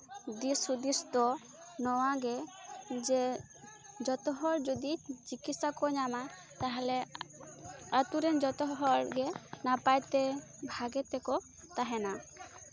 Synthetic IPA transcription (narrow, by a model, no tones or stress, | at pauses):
d̪isud̪ist̪ɔ | nɔwaɡɛd͡ʒɛ | d͡ʒɔt̪ɔɦɔɾd͡ʒɔd̪it͡ʃikisakɔɲama | t̪aɦɛlɛ | at̪uɾɛnd͡ʒɔt̪ɔɦɔɾɡɛnapajt̪ɛbʱaɡɛt̪ɛkɔ | t̪aɦɛna